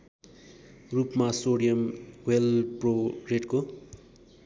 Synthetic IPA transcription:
rupmasoɽijʌmwelproreʈko

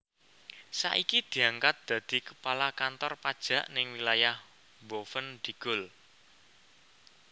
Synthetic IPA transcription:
sa̰ʔikid̪̥i̤aŋkat̪̚d̪̥ä̤d̪̥i̤kə̥palakant̪ɔrpad̥ʒ̥ä̤ʔnɪŋwilajah | bofənd̪̥i̤ɡ̥ʊl

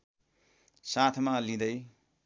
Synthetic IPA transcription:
sat̪ʰmalid̪aj

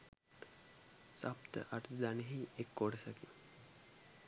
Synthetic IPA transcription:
sapt̪ə̰ʔaʈud̪aneɦiekːoɖəsaki

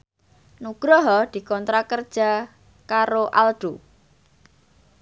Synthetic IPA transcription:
nuɡ̥ɾɔɦɔd̪̥i̤kɔnt̪ɾakərd̥ʒ̥a̤ | kaɾoʔalɖ̪̥o

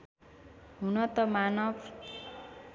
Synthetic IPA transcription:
ɦunʌt̪ʌmanʌb

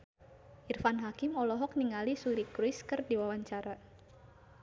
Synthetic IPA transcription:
ʔirfanɦakɪmɔlɔɦɔk̚niŋalisuɾikɾiskɨrdiwawaɲt͡ʃaɾa

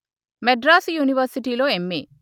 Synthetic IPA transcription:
meɖɾaːsjuːniʋɐɾsiʈiːlo̞ːemːḛː

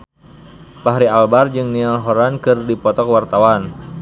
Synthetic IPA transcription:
paɦɾialbard͡ʒɨŋniaɦɔɾankɨrdipɔt̪ɔkwart̪awan

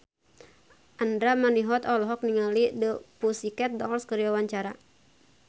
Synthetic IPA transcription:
ʔand̪ɾamaniɦɔt̪ɔlɦɔk̚niŋalidəpusikɛt̪̚dɔlskəɾiawaɲt͡ʃaɾa

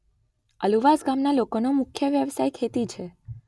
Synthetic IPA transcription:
əluʋasɡamnalokonomʊkʰjəʋjəʋsajkʰet̪it͡ʃʰe

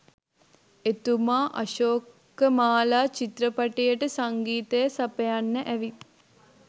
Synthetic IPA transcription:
et̪umaːʔɐʃoːkː | əmaːlaːt͡ʃit̪ɾəpɐʈejəʈəsɐŋɡiːt̪ejɐsɐpɐjanːəʔæʋi

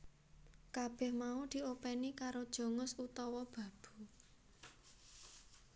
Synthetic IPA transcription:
kab̥ɛhmaud̪̥i̤opɛnikaɾod̥ʒ̥ɔ̤ŋʊsut̪ɔwɔb̥ä̤b̥ṳ

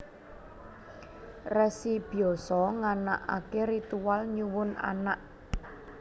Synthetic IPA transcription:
rɛsib̥iɔsɔŋana̰ʔa̰keɾit̪uwalɲuwʊna̰naʔ

